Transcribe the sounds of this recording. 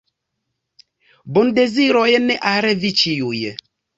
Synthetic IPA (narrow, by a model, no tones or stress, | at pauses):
bʊn̩deziɾɔjenɛʔaɾɛvit͡ʃijujḛ